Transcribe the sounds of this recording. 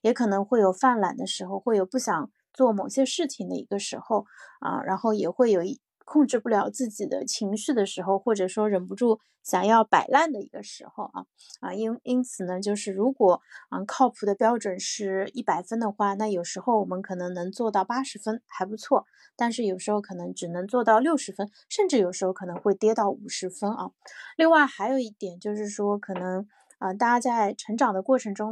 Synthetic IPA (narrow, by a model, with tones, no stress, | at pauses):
jɛ˧˥kʰɤ˨˩nɤ˧˥ŋxwe˥˩ɪjo˨˩ʊfa˥˩nla̰˨˩nd̪ə˦ʂɻ̩˧˥xo˧ʊxwe˥˩ɪjo˨˩ʊpu˥˩ɕjɑ˨˩ŋ | t͡swɔ˥˩mo˨˩ʊɕjɛ˥ʂɻ̩˥˩t͡ɕʰi˧˩ŋd̪ə̰˧i˧˥ɡə˧ʂɻ̩˧˥xo˥˧ʊə̰˧ɻa̰˧˥nxo˥˩ʊjɛ˨˩xwe˥˩ɪjo˨˩ʊ˥˩ | kʰʊ˥˧ŋʈ͡ʂɻ̩˥˧pu˥˩ljɑ˨˧˥ʊt͡sɹ̩˥˩t͡ɕi˨˩d̪ə̰˦t͡ɕʰi˧˥ŋɕy˥˩d̪ə˩ʂɻ̩˧˥xo˥˧ʊxwɔ˥˩ʈ͡ʂɤ˨˩ʂwɔ˥ɻə˨˩npu˧˥ʈ͡ʂu˥˩ | ɕjɑ˨˩ŋjɑ˥˩ʊpa˨˩ɪla˥˩nd̪ə˩ḭ˧˥ɡə˧ʂɻ̩˧˥xo˧ʊʔɐ̰˧˩ | ə˧i˥ni˥nt͡sʰɹ̩˨˩nə˦t͡ɕjo˥˧ʊʂɻ̩˥˩ɻu˧˥kwɔ˨˩ə˧kʰɑ˥˩ʊpʰu˧˥d̪ə˧pjɑ˥ʊʈ͡ʂwə˨˩nʂɻ̩˥˩i˥˩pa˨˩ɪfə˥nd̪ə˨xwa˥˧na˥˩jo˨˩ʊʂɻ̩˧˥xo˧ʊwɔ˨˩mə˧˦nkʰɤ˨˩nɤ˧˥ŋnɤ˧˥ŋt͡swɔ˥˧t̪ɑ˥˩ʊpa˥ʂɻ̩˧˥fə˥nxa˧˥ɪpu˧˥t͡sʰwɔ˥˩ | t̪a˥˧nʂɻ̩˥˩jo˨˩ʊʂɻ̩˧˥xo˧ʊkʰɤ˨˩nɤ˧˥ŋʈ͡ʂɻ̩˨˩nɤ˧˥ŋt͡swɔ˥˧t̪ɑ˥˧ʊljo˥˩ʊʂɻ̩˧˥fə˥n | ʂə˥˧nʈ͡ʂɻ̩˥˩jo˨˩ʊʂɻ̩˧˥xo˧ʊkʰɤ˨˩nɤ˧˥ŋxwe˥˩ɪt̪jɛ˥t̪ɑ˥˩ʊu˨˩ʂɻ̩˧˥fə˥nʔɐ̰˧li˥˧ŋwa˥˩ɪxa˧˥ɪjo˨˩ʊi˥˩t̪jɛ˨˩nt͡ɕjo˥˧ʊʂɻ̩˥˩ʂwɔ˥kʰɤ˨˩nɤ˧˥ŋ | ə˧t̪a˥˧a˥t͡sa˥˩ɪʈ͡ʂʰɤ˧˥ŋʈ͡ʂɑ˨˩ŋd̪ə˦kwɔ˥˩ʈ͡ʂʰɤ˧˥ŋʈ͡ʂʊ˥ŋ